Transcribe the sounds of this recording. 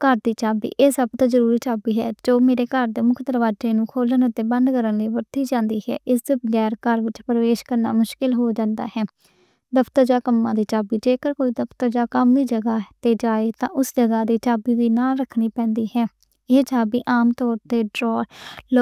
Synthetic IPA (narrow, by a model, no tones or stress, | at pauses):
kəɾd̪iːt͡ʃaːbḭːʔeːsəbt̪ãːzəɾuːɾiːt͡ʃaːbiːɦɛːd͡ʒoːmeːɾeːkəɾd̪eːmʊkʰd̪əɾʋaːd͡ʒeːnũːkʰoːlənʊt̪ːeːbə̃nd̪kəɾənləːʋəɾt̪iːd͡ʒãːnd̪iːɦɛ̰ːʔɪsd̪bəɡɛːɾkəɾʋɪt͡ʃpɾəʋeːʃkəɾna̰ːmʊʃkɪlɦoːd͡ʒãːnd̪a̰ːhɛː | d̪əpʰt̪əɾd͡ʒaːkəmːãːd̪iːt͡ʃaːbiːd͡ʒeːkəɾkoːiːd̪əpʰt̪əɾd͡ʒaːkəmd̪iːd͡ʒəɡaːt̪eːd͡ʒaːeːt̪ãːʔʊsd͡ʒəɡaːd̪iːt͡ʃaːbiːd̪iːnãːɾəkʰniːpɛ̃ːnd̪iːhɛː | eːt͡ʃaːbiːʔaːmt̪ɔːɾt̪eːɖɾɔːl